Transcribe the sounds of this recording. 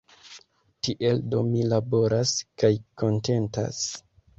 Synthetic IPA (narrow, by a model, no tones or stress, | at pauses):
tiʔe̞ldo̞milabo̞ɾaskajko̞nte̞nta̰s